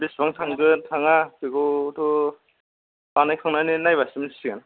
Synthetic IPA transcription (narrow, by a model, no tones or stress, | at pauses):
bisbaŋtʰaŋɡɯntʰaŋapiɡutʰu | banajkʰaŋnaninajbasɯmisʰi̥siɡan